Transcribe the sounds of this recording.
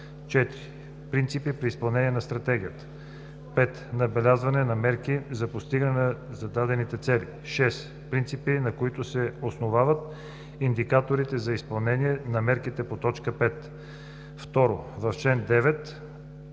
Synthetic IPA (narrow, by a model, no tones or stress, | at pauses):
t͡ʃɛt̪iɾi | pɾint̪sipipɾiːspɐlˠnɛniɛnɐst̪ɾɐt̪ɛɡ̟ʲijət̪ə̥ | pɛt̪nɐbɛlʲazvɐnɛnɐmɛɾkizɐpost̪iɡənɛnəzɐd̪ad̪ɛnit̪ɛt̪sɛlḭ | ʃɛs | pɾint̪sipinɐkoit̪ʊsɛosnovavət̪ | ind̪ikat̪oɾit̪ɛzɐispɐlˠnɛniɛnɐmɛɾkit̪ɛpot̪ɔt͡ʃkəpɛt̪ | ft̪ɔɾo̰vɐft͡ʃɛnd̪ɛvɛt̪